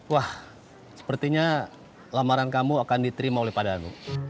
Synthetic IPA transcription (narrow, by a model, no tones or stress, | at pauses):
wah | sə̥pərt̪iɲa | lamaɾankamuakandit̪əɾimaolɛhpadanṵ